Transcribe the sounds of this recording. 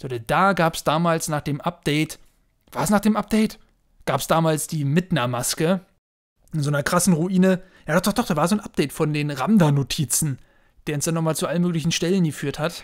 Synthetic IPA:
zoːdɛd̥aːɡaːpsd̥aːmaːlsnaːχd̥eːmʔap̚d̥ɛːt | v̥aːɐɛsnaːχd̥eːmʔap̚d̥ɛɪt | ɡ̥aːpsd̥aːmaːlsd̥iːmɪtnɐmaskə | ʔɪnzoːnɐkʁ̥asn̩ʁuʔiːnəjaːdɔχd̥ɔχd̥ɔχd̥aːvaːɐzoːnʔap̚d̥ɛɪtfɔndeːnʁamdɐnotʰiːt͡sn̩ | d̥eːɐʊnsd̥anɔχmaːlt͡suʔalənmøːklɪçn̩ʃtɛlənɡəfyːɐthat

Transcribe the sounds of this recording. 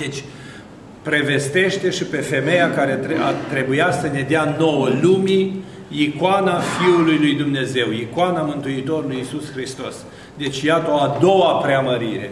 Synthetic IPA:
d̪et͡ʃʲ | pɾe̞ve̞st̪e̞ʃt̪e̞ʃipe̞fe̞me̞jakaɾeeat̪ɾe̞bujasəne̞d̪eano̞wəlumi | ikwanafiulujlujd̪umne̞ze̞wikwanamɨnt̪uit̪o̞ɾulujisusxɾist̪o̞s | d̪e̞t͡ʃʲjat̪əoad̪o̞wapɾeaməɾiɾe̞̰

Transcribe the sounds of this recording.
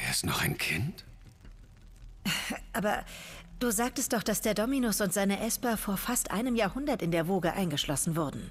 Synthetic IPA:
ʔeːɐstnɔχaɪnkʰɪnt | ʔaːbɐd̥uːzaːk̚təst̚d̥ɔχd̥asd̥eːɐdɔminʊsʊntz̥aɪnəʔɛspɐfoːɐfastʔa̰ɪnəmjaːɐhʊndɐtɪndeːɐvoːɡəʔa̰ɪnɡəʃlɔsn̩vʊɐdn̩

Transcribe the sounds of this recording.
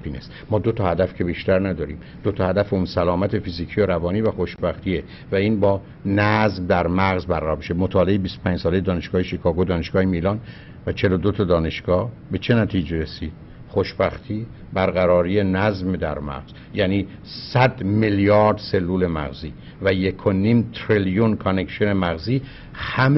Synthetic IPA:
pʰiːnesmɒːd̪ot̪ʰɒːhæd̪æfkcʰe̞biʃt̪æɾnæd̪ɒːɾḭːm | d̪ot̪ʰɒhæd̪æfeunsælɒːmæt̪ʰe̞fiziːkʰijoɾævɒːniːvæxo̞ʃbæxt̪ʰiːe | væiːnbɒː | næzmd̪æɾmæɣzbæɾʁæɾɔːɾmiʃemot̪ʰɒːleebist̪opʰæɲd͡ʒsɒːleed̪ɒːne̞ʃɡ̥ɒːheʃikʰɒːɡod̪ɒːneʃɡ̥ɒːhemiːlɒːn | væt͡ʃʰe̞lod̪ot̪ʰɑd̪ɒːne̞ʃɡ̥ɒːhbe̞t͡ʃʰe̞næt̪ʰiːd͡ʒeɾesiːd̪̥ | xoʃbæxt̪ʰiː | bæɾɣæɾɒːɾiːenæzmd̪æɾmæ̰ɣz̥ | jæːniː | sæd̪meljɒːɾd̪se̞lːuːle̞mæ̰ɣziː | væjekʰoniːmt̪ʰɾiljunkʰone̞ksone̞mæɣziː | hæm

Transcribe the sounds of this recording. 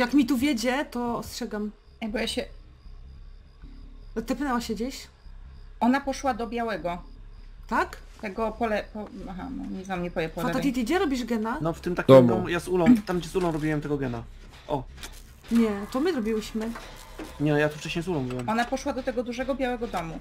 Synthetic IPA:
jakmʲit̪uvʲjed͡ʑɛt̪ɔɔstʂɛɡam | abɔjaɕɛ | t̪ɛpɨnɛwaɕɛd͡ʑeɕ | ɔnapɔʂwad̪ɔbʲjawɛɡɔ | t̪ak | t̪ɛɡɔpɔlɛpɔaɦa̰nɔ̰ɲɲɛzamɲɛpɔvʲjɛpɔlaɛɔt̪it̪id͡ʑɛɾɔbʲiʐɡɛnanɔft̪ɘmt̪ak̪ʲɔmɡɔ̃w̃jazulɔ̃w̃t̪amɡd͡ʑɛzulɔ̃w̃ɾɔbʲiwɛmt̪ɛɡɔɡɛna | ʔɔ | ɲɛt̪ɔmɘzɾɔbʲiwɘɕmɘ | ɲɛjat̪uft͡ʂɛɕɲejzulɔ̃w̃bɘwɛmɔnapɔʂwad̪ɔt̪ɛɡɔd̪uʐɛɡɔbʲjawɛɡɔd̪ɔmu

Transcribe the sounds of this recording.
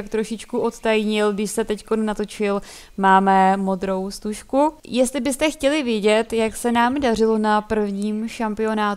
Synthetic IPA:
akt̪ɾo̞ʃɪt͡ʃkuʔo̞t̪t̪ajɲɪlɡdɪʃsɛt̪ɛcko̞nːat̪o̞t͡ʃɪl | maːmɛmo̞d̪ɾo̞wst̪uʃkujɛst̪lɪbɪst̪ɛxcɛlɪvjɛɟɛt̪jaksɛnaːmdar̝ɪlo̞napr̩vɲiːmʃampɪo̞naːt̪

